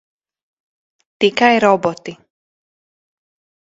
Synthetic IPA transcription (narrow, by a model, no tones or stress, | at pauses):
t̪ikajɾɔbɔt̪i